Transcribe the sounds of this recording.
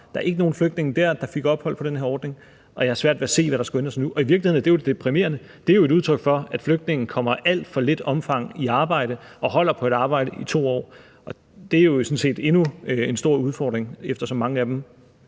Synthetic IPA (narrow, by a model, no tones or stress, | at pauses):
d̥ɑ̈æɐe̝ɡ̥əno̝ːn̩fløɡ̥̚d̥ne̝ŋ̩d̥æɐ̰d̥ɑ̈fe̝ɡ̥ɒ̽b̥hɒ̽l̰pʰɒ̽ɾenheɐɒːd̥ne̝ŋ | ʔɒ̽jɑ̈hɑsʋæɐ̰d̥ʋeæse̝̰ːʋæɾɑ̈sɡ̥uend̥ʁɐsnuʔɒ̽iʋiɐɡlihe̝ð̰̩ˠd̥e̝joded̥epʰʁime̝̰ːɐnə | d̥e̝æɐjo̝e̝ɾuð̞ˠt͡sʰʁœɡ̥fɒ̽æd̥fløɡ̥̚d̥ne̝ŋn̩kʰɒ̽m̰ɐʔæl̰d̥fɒ̽le̝d̥ɒ̽mfɑ̈ŋ̰iɑ̈ːb̥ɑ̈ɪ̰ɾ̥əɒ̽ɦɒ̽l̰ɐpʰɒ̽e̝d̥ɑ̈ːb̥ɑ̈ɪ̰dəʔit͡sʰo̝̰ːɒ̰ː | ʔɒ̽ | d̥e̝æɐjo̝sɔ̽nse̝̰ːd̥e̝nuensd̥o̝ɐ̰uðˠfɒ̰ːd̥ʁeŋefd̥ɐsɒ̽mːɑ̈ŋəæd̥em